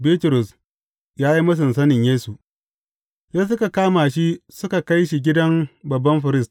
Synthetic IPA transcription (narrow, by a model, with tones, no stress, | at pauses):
biː˦tʊ˨ɾʊ˨s | jaː˦ji˦mɐ˦s̬ɪ˨nsɐ˦nɪ˨ɲjeː˦su˨ | jaː˦s̬ʊ˦ka˨kaː˦maː˨ʃi˦sʊ˦ka˨ka˦jʃi˨ɡʲɪ˦dɐ˦mbɐ˨bːɐ˦mɸɐ˨ɾɪ˦st